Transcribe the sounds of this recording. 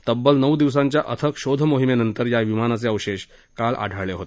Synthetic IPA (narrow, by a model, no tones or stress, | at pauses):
t̪əbːəlnəwd̪iʋs̬aɲt͡ɕjaʔət̪ʰəkɕod̪ʱəmoɦimenənt̪əɾjaʋimanat͡seəʋɕeɕkalʔa̰ɖʱəɭeɦot̪e